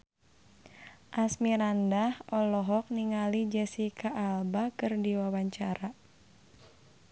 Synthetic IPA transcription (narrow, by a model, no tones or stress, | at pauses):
ʔasmiɾandahɔlɔɦɔk̚niŋalid͡ʒɛsikaʔalbakɨrdiwawaɲt͡ʃaɾa